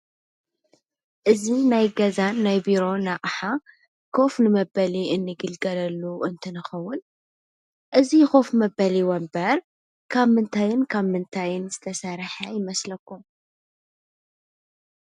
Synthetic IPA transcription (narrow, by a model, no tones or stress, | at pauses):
ʔɨzinajɡɐzanːajbiɾo̞naʔħa | kʰo̞fnɨmɐbɐliʔɨnːɨɡɨlɡɐlɐlːuʔɨnt̪ʰɨnɨxɐwːʊn | ʔɨzixo̞fmɐbɐliwɐmbɐɾ | kʰaβmɨnt̪ʰajɪnkʰaβmɨnt̪ʰajɪnzɨt̪ʰɐsɐɾħajɪmɐslɐkːu